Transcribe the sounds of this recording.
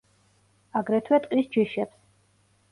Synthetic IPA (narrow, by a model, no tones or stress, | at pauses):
aɡɾɛt̪ʰwɛt̪ʼqʼisd͡ʒiʃɛps